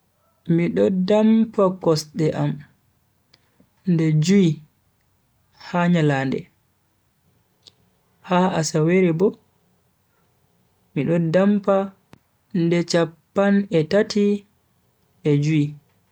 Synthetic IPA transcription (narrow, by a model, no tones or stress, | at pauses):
miɗɔdampakɔsɗɛʔam | ndɛd͡ʒui | haɲalaːndɛ̰ | haasaweɾɛbɔ | miɗɔdampa | ndɛt͡ʃapːanɛtati | ɛd͡ʒui